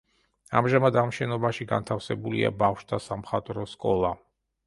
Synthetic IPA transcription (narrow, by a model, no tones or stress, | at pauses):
amʒamad̪amʃɛnɔbaʃiɡa̰nt̪ʰafsɛbulḭa̰bafʃd̪asamχat̪ʼɾɔskʼɔlˠa